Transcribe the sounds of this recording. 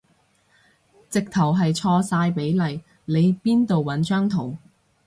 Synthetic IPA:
t͡sɪ˨k̚t̪ʰɐ˨˩wɦɐ˨jt͡sʰɔː˧saː˧jpe˨˥jlɐ˨j | le˨˧jpiː˥nt̪o˨wwɐ˨˥nt͡ʃœː˥ŋt̪ʰo˨˩w

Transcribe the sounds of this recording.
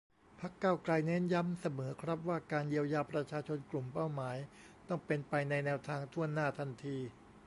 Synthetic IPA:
pʰa˦˥kːaː˥˩wkla˧jne˦˥nja˧˥msa˧mɤː˩˦kʰɾa˦˥p̚waː˥˩kaː˧nji˧əwjaː˧pɾa˧t͡ɕʰaː˧t͡ɕʰo˧nklu˨˩mpa˥˩wmaː˩˦j | t̪ɔ˥˩ŋpe˧npa˧jna˧jnɛː˧wt̪ʰaː˧ŋt̪ʰu˥˩ənːaː˥˩t̪ʰa˧nt̪ʰiː˧

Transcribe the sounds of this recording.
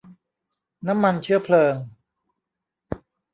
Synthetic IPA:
na˦˥mːa˧nt͡ɕʰɯ˥˩ɐpʰlɤː˧ŋ

